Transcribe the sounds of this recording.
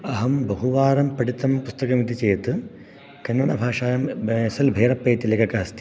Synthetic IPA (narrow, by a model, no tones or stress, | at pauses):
ɐɦɐmbɐɦuʋaːɾɐmpɐɽit̪ːɐmpust̪ɐkɐmid̪it͡ʃeːt̪ɨ | kɐnmɐnɐbʱaːʂaːjɐmesɐlbʱeːɾɐpːɐːt̪ilekɐkɐɦɐst̪i̥